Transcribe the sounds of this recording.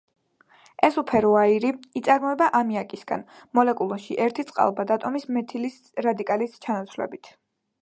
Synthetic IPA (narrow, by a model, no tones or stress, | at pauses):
ɛsupʰɛɾɔaiɾiːt̪sʼaɾmɔɛbaʔamiakʼisɡa̰nmɔlɛkʼulˠɔʃiʔɛɾt̪ʰit̪sʼqʼa̰lˠbad̪at̪ʼɔmismɛt̪ʰilis | ɾad̪ikʼalist͡ʃʰanat̪sʰvlɛ̰bit̪ʰ